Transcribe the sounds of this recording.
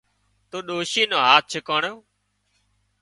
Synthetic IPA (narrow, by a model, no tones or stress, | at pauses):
t̪oːɗoːʃiːnoːɦaːt̪̚t͡ʃʰəkoːɳoː